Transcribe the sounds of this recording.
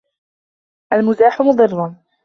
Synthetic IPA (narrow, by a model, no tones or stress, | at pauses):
ʔalmʊzaːħʊmʊd̪ˤɨrːʊn